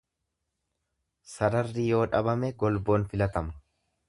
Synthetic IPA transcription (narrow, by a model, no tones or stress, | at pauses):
sɐɾɐrːijo̞ːᶑɐbɐmɛɡɔlbo̞ːnfɪlɐt̪ɐmɐ̥